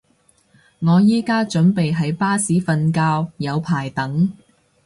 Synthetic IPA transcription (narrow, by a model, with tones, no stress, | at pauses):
ŋɔː˨˧jiː˥kaː˥t͡ʃɵ˨˥npe˨jɦɐ˨˥jpaː˥siː˨˥fɐ˧nkaː˧wjɐ˨˧wpʰaː˨˩jt̪ɐ˨˥ŋ